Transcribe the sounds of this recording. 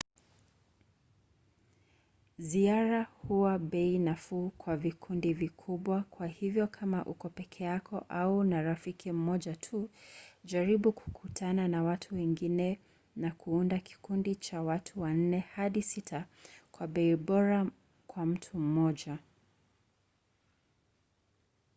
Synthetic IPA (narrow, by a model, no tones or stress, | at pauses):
ziaɾahuwaɓɛinafukwavikʰundivikʰuɓwakʰwahivjɔkʰamaʔukɔpɛkʰɛakɔʔaunaɾafikʰim̩mɔʄatʰuʄaɾiɓuku̥kʰutʰananawatʰuwɛŋɡinɛ | nakʰuundaki̥kundit͡ʃawatʰuwan̩nɛhaɗisitʰakwaɓɛiɓɔɾa | kwam̩tʰum̩mɔʄa